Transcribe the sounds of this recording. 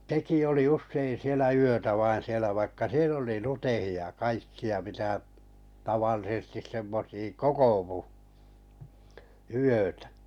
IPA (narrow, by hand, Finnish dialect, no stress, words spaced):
teki oli usːein sielæ yøtæ ʋɑin̞ sielæ ʋɑikːɑ siel oli lutehiɑ j̆ɑ kɑikːiɑ mitæ tɑʋɑlːisĕstis semːosiː kokoʋu yøtæ̥